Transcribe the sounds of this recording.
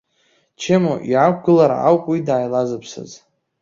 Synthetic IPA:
t͡ʃʰemoʔiʕakɡʷɨlaɾa̰a̰wpʼwidaːjlazɨpʰsa̰z

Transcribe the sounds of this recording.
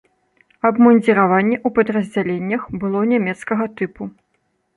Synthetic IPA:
ɐbmɐnʲd͡zʲɛɾavanʲːɛʔupɐd̪ɾɐzʲd͡zʲalʲenʲːɐxbɨlˠɔnʲamʲɛt̪skɐɣɐt̪ɨpu

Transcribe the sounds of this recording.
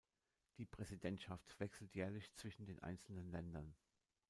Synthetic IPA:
d̥iːpʁ̥ɛzidɛntʃaftv̥ɛksl̩tjɛːɐlɪçt͡sv̥ɪʃn̩deːnʔa̰ɪnt͡sl̩nənlɛndɐn

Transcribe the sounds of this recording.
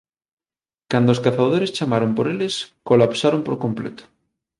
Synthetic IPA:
kand̪oskaθaðoɾest͡ʃamaɾompoɾeleskolapsaɾompoɾkõ̞mplḛt̪o̥

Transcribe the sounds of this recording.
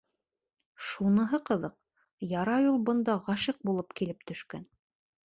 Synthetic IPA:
ʃunɤ̆ɦɤqɤ̆ðɤq̚ | jɑɾɑjulˠbɤ̆nd̪ɑʁɑʃiq̚bulˠɤpkilɘp̚t̪ɵ̆ʃkæn

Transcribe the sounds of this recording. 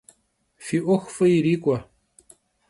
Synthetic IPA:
fiʔoxfəjɾikʷa

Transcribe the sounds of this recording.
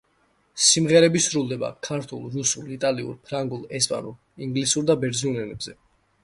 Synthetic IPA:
simʁɛɾɛbisɾulˠd̪ɛba̰kʰaɾt̪ʰulˠɾusulit̪ʼaliṵɾpʰɾaŋɡulˠɛspʼa̰nulˠ | iŋɡlisuɾd̪abɛɾd̪ziɔnɛnɛbzɛ

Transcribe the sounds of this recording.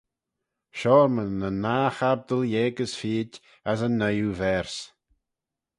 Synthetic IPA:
ʃɔːɾmənənaːxab̚d̪əljeːɡəsfiːd | asənːəjuvɛɹs

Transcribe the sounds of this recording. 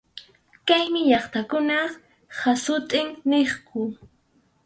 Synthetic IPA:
kajmɪʎɑχt̪akʊnɑ | hasʊt̪ʼɪŋneχkʊ

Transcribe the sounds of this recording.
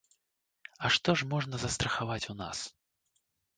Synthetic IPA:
ɐʂt̪ɔʂmɔʐnɐzɐst̪ɾɐxavat͡sʲuna̰s

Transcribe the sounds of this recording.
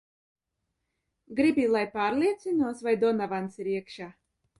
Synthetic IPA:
ɡɾibʲilˠajpaːɾlʲiɛt̪sinuɔsvajd̪ɔnavant̪siɾiɛkʃaː

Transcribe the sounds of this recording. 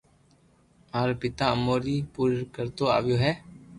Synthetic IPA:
aːɾpɪt̪aːəmoːɾiːpuːɾkəɾt̪oːa̰ːʋjoːɦɛː

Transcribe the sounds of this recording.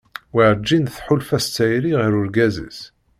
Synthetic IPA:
wiʕd͡ʒːinθħʊlfæst͡s̪ːæjɾiʁəɾʊɾɡæzḭz

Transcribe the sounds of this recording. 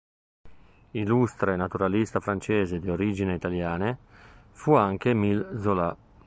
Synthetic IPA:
ilust̪ɾenat̪uɾalist̪afɾant͡ʃeːzed̪ioɾid͡ʒineit̪aljaːne | fuaŋkemilzola

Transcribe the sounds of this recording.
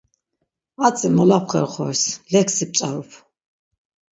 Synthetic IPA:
at͡sʼimɔlapʰχɛ̰ɾχɔ̰ɾslɛkʰsip̚t͡ʃʼaɾɔpʰ

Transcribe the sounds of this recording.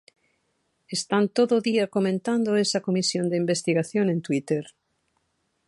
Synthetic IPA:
est̪ant̪oðoðiakomẽnt̪and̪oesɐkomisjond̪eimbest̪iɣaθjoŋẽnt̪wit̪eɾ

